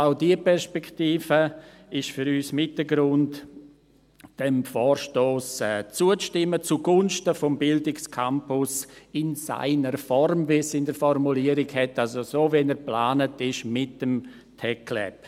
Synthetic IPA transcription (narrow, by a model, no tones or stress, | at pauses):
aʊdiəpɛɾspɛkʰtiːfə | ɪʃfyɾyːsmɪtəɡɾʊnt | d̥ɛmfɔːɾʃtoːsɛːt͡suət͡sʃtɪmːət͡suɡʊnʃtəfɔmbɪldɪkskʰampʊsɪnsa̰ɪnəɾfɔrmvisɪndəɾfɔrmuliəɾɪɡhɛtalsosoːvɛnəɾplaːnətɪʃmɪtəm | tʰɛkʰlɛ̰p